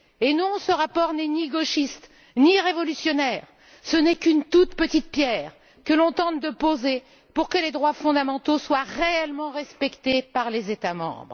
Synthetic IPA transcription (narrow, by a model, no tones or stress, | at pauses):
enɔ̃səʁapɔʁnɛniɡoʃist̪ | niʁevɔlysjɔnɛːʁ | sənɛkynt̪ut̪pət̪it̪̚pjɛːʁ | kəlɔ̃t̪ɑ̃t̪̚d̪əpoze | puʁkəled̪ʁwafɔ̃d̪amɑ̃t̪oswaʁeɛlmɑ̃ʁɛspɛkt̪epaʁlezet̪amɑ̰̃bʁ